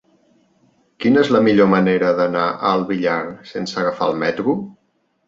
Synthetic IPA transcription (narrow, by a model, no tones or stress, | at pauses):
kinəezləmiʎoməneɾəðənaʔəlˠβiʎaɾsensəɣəfa̰lˠmɛt̪ɾu